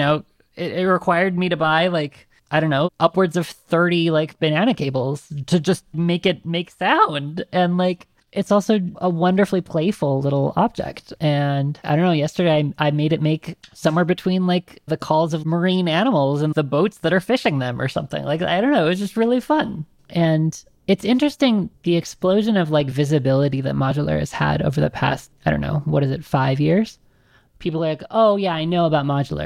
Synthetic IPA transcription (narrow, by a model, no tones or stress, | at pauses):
noʊ | ɪɾɪt̚ɹɨkʰw̥aɪə˞d̚miɾɨbaɪlaɪk | aɪɾõʊ̃nːoʊʔʌpwə˞dzʌv̥θɜ˞ɾilaɪkb̥ɨnæñɨkʰeɪbl̩ˠz̥tʰɨd͡ʒʌst̚meɪkɨt̚meɪksãʊ̃ndʔɨ̃nlaɪk | ʔɨtsɔlˠsoʊʔəwʌ̃ndə˞flipʰl̥eɪfl̩ˠlɪɾl̩ˠɑ̰b̚d͡ʒɛ̰k̚tɨ̃naɪɾõʊ̃noʊjɛstə˞eɪaɪʔaɪmeɪɾɨt̚meɪksʌ̃mwɛɹbɨtʰw̥ĩnlaɪkðɨkʰɔlˠzʌvmə˞ĩnæñəml̩ˠzə̃nðəboʊtsðɨɾə˞fɪʃɪ̃ŋðɨ̃mə̰˞sʌ̰̃mθɪ̰̃ŋlaɪka̰ɪdõʊ̃nːoʊɨtsd̥d͡ʒ̥ʌst̚ɹɪlˠifʌ̃n | ʔɨ̃n | ɨtsɪ̃nt͡ʃɹ̥ɨstɪ̃ŋðiɨksploʊʒɨ̃nʌvlaɪkvɪzɨbɪlˠəɾiðɨ̰t̚mɑd͡ʒl̩ˠə̰˞ɨ̰z̥ə̰ɾo̰ʊvə˞ðɨ̰pʰæ̰st̚aɪɾõʊ̃nːo̰ʊwʌɾɨzɨtfaɪvjɪɹz̥ | pʰipl̩ˠəllaɪkoʊjæaɪnoʊəbaʊt̚mɑd͡ʒl̩ˠə̰˞